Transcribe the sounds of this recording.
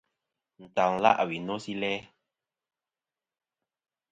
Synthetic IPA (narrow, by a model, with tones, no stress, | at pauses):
n̩˨ta˨ŋ˨la̰˦ʔa˨wi˨nɔ˦si˦lɛ˦